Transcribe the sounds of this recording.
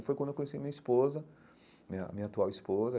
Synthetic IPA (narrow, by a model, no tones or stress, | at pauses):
fojkɐ̃nd̪ewkõesijmĩɲɐispozɐ | mĩɐ̰mĩɲɐat̪uawispozɐ